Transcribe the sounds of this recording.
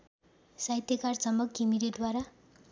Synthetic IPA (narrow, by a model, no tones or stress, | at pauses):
sajt̪jʌkart͡sʌmʌkkimiɾetd̪waɾa